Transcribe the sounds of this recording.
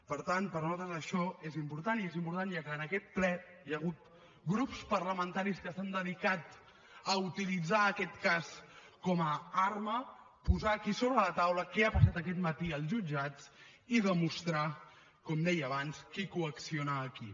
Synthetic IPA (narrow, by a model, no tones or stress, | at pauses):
pəɾt̪ant̪pəɾnuat̪ɾəzəʃɔezimpuɾt̪aniezimpuɾt̪anjakəːnəkɛt̪̚plɛ | jəɣ̞ut̪̚ | ɡɾupspərləmənt̪aɾiskəst̪and̪əðikat̪ | əut̪ilid͡zaəkɛt̪kas | kɔməarmə | puzaːkisoβɾələt̪awləkɛapəsat̪əkɛt̪mət̪iəlˠzʒud͡ʒat͡s | iðəmust̪ɾa | kɔmd̪ɛjəβanskikuəksionəːki